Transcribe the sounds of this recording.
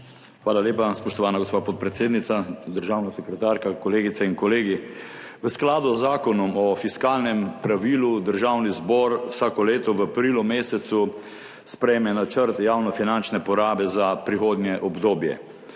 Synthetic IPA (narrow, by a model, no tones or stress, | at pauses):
xʋaːlaljeːpaspɔʃt̪ɔʋaːnaɡospaːpɔt̪̚pɾɛt̪seːd̪nit̪sad̪əɾʒawnasɛkɾɛt̪aːɾkakɔleːɡit̪saiŋkɔleːɡi | ʋəsklaːd̪uzːaːkɔnɔmɔfiskaːlnɛmpɾaʋiːlud̪əɾʒawnizbɔɾwsaːkɔleːt̪ɔʋəapɾilɔmeːsɛt̪su | spɾɛjmɛnat͡ʃəɾt̪jaːwnɔfinant͡ʃnɛpɔɾaːbɛzapɾixoːd̪njɛʔɔbd̪oːbjɛ̰